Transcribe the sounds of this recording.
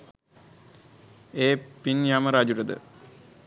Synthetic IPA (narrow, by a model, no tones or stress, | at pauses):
eːpinjaːmɐɾaːd͡ʒuʈəd̪ə̰